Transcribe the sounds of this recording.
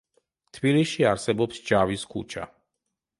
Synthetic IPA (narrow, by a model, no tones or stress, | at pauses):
t̪ʰbiliʃiaɾsɛbɔpsd͡ʒaviskʰṵt͡ʃʰa̰